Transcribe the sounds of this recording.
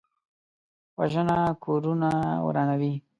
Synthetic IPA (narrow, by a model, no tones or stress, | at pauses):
waʒənakʰoɾunawɾɑːnawi